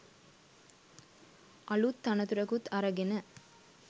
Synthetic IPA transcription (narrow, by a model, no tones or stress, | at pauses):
ʔɐɭut̪ːɐnɐt̪uɾɐkut̪ɐɾɐɡɪnɐ